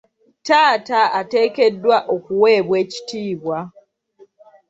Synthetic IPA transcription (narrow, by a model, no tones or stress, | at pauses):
taːtaate̞ːke̞dːwaʔokuwe̞ːβwe̞ːci̥tiːβwa